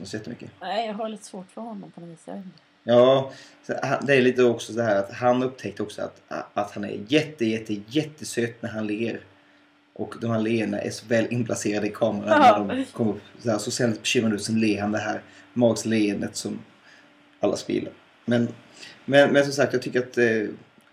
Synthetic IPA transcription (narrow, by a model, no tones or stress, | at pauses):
nsɔjɛt̪ːəmʏ̰kːənɛjɑɦaɾlit̪ə̥svoːʈfəhɔnːɔmpʰɔniːsa̰ | jɑː | sɛha̰nd̪ɛæɾɭiːt̪əd̪oɔksɔsaɦæːɾat̪hanɵp̚ːt̪ʰɛk̚t̪əɾɔksɔa̰t̪at̪hanæ̰ɾjɛt̪ːəjɛt̪ʰːəjɛt̪ːəsøːt̪næɾɦhanleːəɾ | ʔɔkd̪ɔmhæːɾɭeːəɳa̰ʔæ̰ʂɔvɛːlʔɪnpʰlaseːɾad̪əɪkʰɑːməɾaæɖɔmkʰɔməɾɵpːsɔhæːsɔsɛld̪ɪt̪̚bɛɕʏmːɾand̪ʉːt̪sɛnleːɾhand̪ɛɦæːɾmɑːɡsleənd̪ət̪sɔm | alːa̰spɪ̰ːla̰ɾ | mɛnmɛnmɛns̬ɔmsakt̪jɑɡt̪ʰʏkːəɾat̪̚dɛ